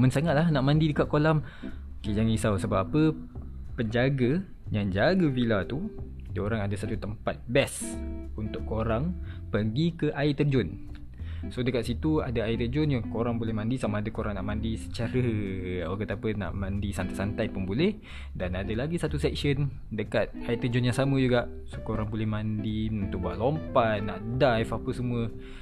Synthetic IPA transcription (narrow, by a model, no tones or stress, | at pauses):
mənsaŋat̪̚lahnaʔmãndidəkaʔ̚kolam | ked͡ʒaŋisawsəbapapəpəɲd͡ʒaɡa | jaŋd͡ʒaɡəbilat̪u | doɾaŋadasat̪ut̪əmpat̪̚bɛsunt̪ʊʔkoɾaŋpərɡikəʔait̪ərd͡ʒʊn | sodəkaʔ̪sit̪uadaaiʔt̪ərd͡ʒʊnjakoɾaŋbolɛhmãndisamaːdakoɾaŋnaʔmãndisə̥t͡ʃaɾəakət̪apəna̰ʔmãndisant̪ajsant̪ajpunbolɛh | danadalaɡisat̪usɛk̚sən | dəkat̪̚ait̪əd͡ʒʊnjaŋsamə̃d͡ʒuɡaʔ | sokoɾaŋbolɛhmãndiunt̪ʊʔ̚buaʔ̪lompatnaʔdajfapəsəmũə